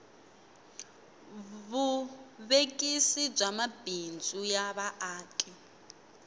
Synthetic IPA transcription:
βuβekʼisib͡ʐamab̥ʱind͡zʼujaβaʔaːkʼɛ

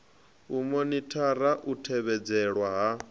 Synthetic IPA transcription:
umɔnitʰaɾaʔutʰɛβɛd͡zɛɺwaɦa

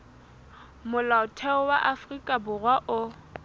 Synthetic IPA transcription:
mʊlaʊtʰɛʊwaʔafrikʼabʊrwaʔʊ

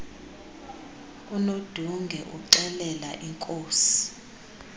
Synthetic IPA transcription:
unod̥ʱuŋɡʱɛʔuǀɛlɛla̰ʔiŋkʼoːsi̥

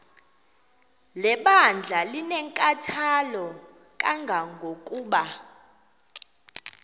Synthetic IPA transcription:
lɛɓand͡ɮʱalinɛŋkʼatʰalɔ | kʼaŋɡʱaŋɡʱokʼuːɓa

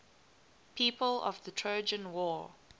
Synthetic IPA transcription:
pʰiːˑpəlɔ̰vðətʰɹ̥oʊd͡ʒə̃nwɔː

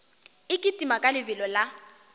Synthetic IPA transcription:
ɪkʼɪtʼimakʼalɪbɪlɔla

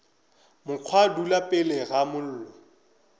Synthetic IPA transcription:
mʊq͡χʰwadulapʼɪlɛɣamʊl̩ːlɔ

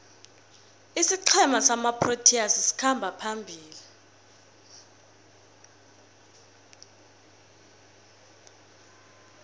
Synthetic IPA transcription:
isiǀʰɛmasamapʰrotʰiasisi̥kʰambʱapʰambʱiːli

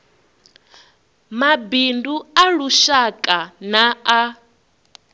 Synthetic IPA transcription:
mabinduaɺuʃakʼanaa

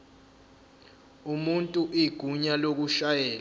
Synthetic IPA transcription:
umuntʼuʔiɡ̥ʱuɲalok̬uʃajɛːl

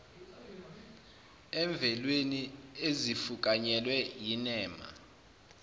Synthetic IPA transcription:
ɛɱb̪vʱɛlweniezifukʼaɲɛlwɛjinɛːma̰

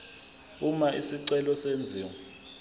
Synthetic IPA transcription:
umaʔisiǀɛlɔsend͡zʱiːwɔ

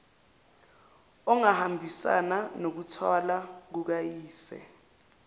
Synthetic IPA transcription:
ɔŋahambʱisa̰nanok̬utʰwalak̬uk̬ajiːsɛ̰

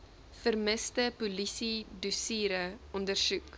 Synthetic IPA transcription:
fərməstəpulisidusiːɾəɔndərsuk

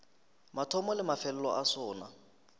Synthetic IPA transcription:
matʰɔmɔlɪmafɛlɛlɔ̰ʔasɔːna

